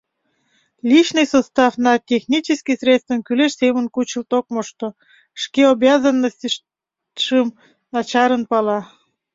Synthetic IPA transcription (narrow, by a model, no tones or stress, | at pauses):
lʲit͡ɕnɨjsost̪ɑfnɑtʲexnʲit͡ɕeskisrʲet̪st̪vənkyleʃsemənkut͡ɕəlt̪ok̚moʃt̪o | ʃkeobjɑzənːəsʲtʲʃ | ʃəm | nɑt͡ɕɑɾənpɑlɑ